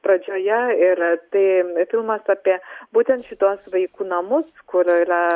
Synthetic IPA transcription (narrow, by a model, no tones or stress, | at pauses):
pɾɐd͡ʒʲoːjɛɪɾt̪ɐɪfʲɪlˠmɐsaːpʲiɛbuːt̪ʲɛnt̪ʃʲɪt̪uɔsʋɐɪkuːnɐmʊskʊɾɪɾɐ